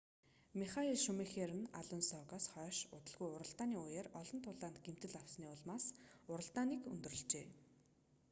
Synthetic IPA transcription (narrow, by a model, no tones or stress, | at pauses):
miχaiɮʃɵmexerɘ̆na̰ɮʊnsɔkɔːsχœːʃʊt̪ə̆ɮɣujʊɾə̆ɬt̪aːniːʊjeːrɔɮɞ̆nt̪ʰʊɮaːnt̪ɡem̥t̪ɘ̆ɮaw̥sniːʊɮmaːsʊɾə̆ɬt̪aːniːkɵ̰nt̪ɵ̆rɵ̆ɬt͡ɕeː